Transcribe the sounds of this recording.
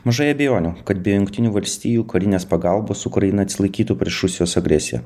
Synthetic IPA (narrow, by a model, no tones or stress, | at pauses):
mɐʒɐɪɐbʲejoːnʲuːkɐt̪bʲeːjojʊŋkt̪ʲɪnʲuːʋɐlʲsʲt̪ʲiːjuːkɐɾʲɪnʲeːspɐɡɐlˠboːsʊkɾɐjɪnɐt̪sʲɪlˠɐɪkʲiːt̪uːpʲɾʲiɛʃɾʊsʲɪjoːsɐɡɾʲɛsʲɪjɛ̰